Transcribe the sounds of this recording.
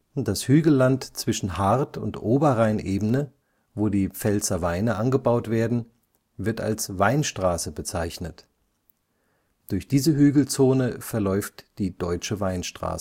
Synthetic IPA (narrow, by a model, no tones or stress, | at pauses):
d̥ashyːɡl̩lantt͡sv̥ɪʃn̩haʁtʰʊ̰ntʔoːbɐʁaɪnʔeːbn̩nə | voːdiːp͡fɛlt͡sɐvaɪnəʔanɡəbaʊtv̥eːɐdn̩ | vɪɐta̰lsvaɪnʃtʁ̥aːsəbət͡saɪçnət | d̥ʊɐçd̥iːzəɦyːɡl̩t͡soːnəfɛɐlɔʏftd̥iːd̥ɔʏt͡ʃəvaɪnʃtʁ̥a̰ːsə